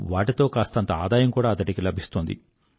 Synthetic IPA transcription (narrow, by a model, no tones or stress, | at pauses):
ʋaːʈit̪o̞ːkaːst̪ɐɐnt̪ɐaːd̪aːjɐmkuːɽaːɐt̪ɐʈikilɐbʱist̪oːnd̪ḭ